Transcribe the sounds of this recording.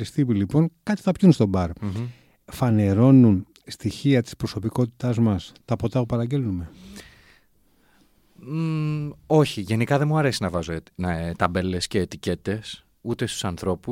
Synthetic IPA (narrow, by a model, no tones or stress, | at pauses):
ist̪ipilipo̞ŋkɐt̪i̥θɐpçunst̪o̞bɐɾ | fɐne̞ɾo̞nun | st̪içiɐt̪i̥spɾo̞so̞piko̞t̪i̥t̪ɐzmɐst̪ɐpo̞t̪ɐpupɐɾɐɲɟelnume̞ | o̞çiʝe̞nikɐðe̞muɐɾe̞sinɐvɐzont̪ɐbe̞le̞sceːt̪ice̞t̪e̞s | ut̪e̞st̪usɐnθɾo̞pu